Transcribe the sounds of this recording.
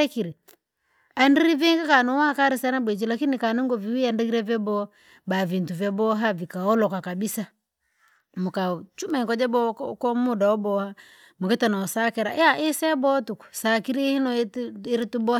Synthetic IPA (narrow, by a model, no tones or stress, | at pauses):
ɛkiɾi | andiɾiviŋɡakanɔwakaɾisanabwɛt͡ʃilakinikanɛŋɡɔviwiandikiɾɛvɛbɔ | bavintuvjɛbɔɦavikaɔlɔkakabisa | mukat͡ʃumɛŋkɔd͡ʒɛbɔkɔmudaɔbɔha | mukɛtanaɔsakɛɾa̰ʔjaʔisɛbɔtuku̥sakiɾihinɔiɾitubɔ